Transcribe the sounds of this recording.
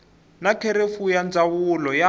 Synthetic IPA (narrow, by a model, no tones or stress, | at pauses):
nakʰɛɾefujand͡zawulɔja